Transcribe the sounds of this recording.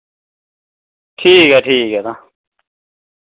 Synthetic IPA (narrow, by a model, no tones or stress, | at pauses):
ʈʰiːkɛʈʰiːkɛt̪a